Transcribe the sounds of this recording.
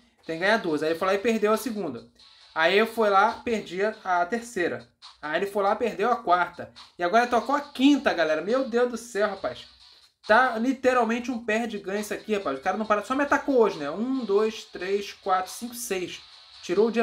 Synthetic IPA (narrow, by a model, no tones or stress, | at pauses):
t̪ẽj̃ɡɐ̃ɲ̃ad̪ozaelɪfojlaɪpeɦd̪ewɐsɪɡũnd̪ɐ | aiewfojlapeɾd͡ʒiɐat̪eɾsejɾɐ̰ | ajelɪfojlapeɦd̪ewɐkwaɾt̪ɐɪaɡɔɾt̪okoɐkĩnt̪ɐɡalɛɾɐmewd̪ewʒd̪ʊsɛwɦapajʃs | t̪alit̪eɾawmẽnt͡ʃɪũpɛhd͡ʒɪɡɐ̃ɲsakihapajzʊkaɾɐnɐ̃paɾasɔmɪat̪akooʒɪnɛũd̪ojst̪ɾejskwat̪ɾʊ̥sĩkʊɪsejʃ | t͡ʃiɾoʊd͡ʒiɐ